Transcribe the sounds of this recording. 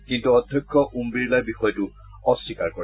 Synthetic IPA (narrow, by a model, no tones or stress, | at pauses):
kintuɔdʱjɔjkʰːɔʔumbiɹlajbixɔjɔtu | ɔsːikaɹkɔ